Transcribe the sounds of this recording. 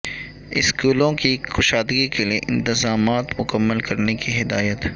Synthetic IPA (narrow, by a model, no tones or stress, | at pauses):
ɪ̰skuːlõkixʊʃaːd̪ɡikelieʔɪ̰̃nt̪ɪzaːmaːt̪mʊkəmːəlkɐɾnekiɦɪd̪aːjət̪